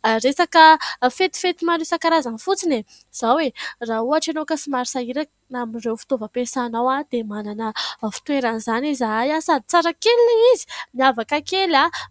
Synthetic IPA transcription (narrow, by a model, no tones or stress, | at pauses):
aresakəfet̪i̥fet̪imanesakaɾazanifut͡sine | z̥awerauaʈ͡ʂanokəsimaɾisaiɾa | namirewfi̥t̪ovəpesanawad̪emananəfi̥t̪ueɾanizanizaajasad̪i̥t͡saɾakelneizi̥miavakakela